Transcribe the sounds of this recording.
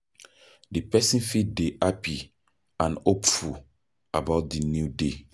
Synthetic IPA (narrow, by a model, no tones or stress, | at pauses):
dipɛsĩnfideʔapi | ãnopfu | abaʊt̚dinjude